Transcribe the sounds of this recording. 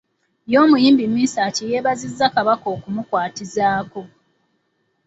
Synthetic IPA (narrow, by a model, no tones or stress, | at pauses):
jo̞ːmujiːmbimːiːsaːcijeːβazizːakaβako̞ːkumukwaːtizaːko̞